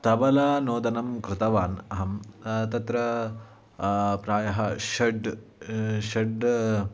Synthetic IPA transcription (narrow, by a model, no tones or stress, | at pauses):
t̪ɐbɐlɐnoːd̪ɐnɐmkɾɪt̪ɐʋaːnɐɦɐmt̪ɐt̪ɾɐ | pɾaːjɐɦɐʃɐɖ | ʃɐɖ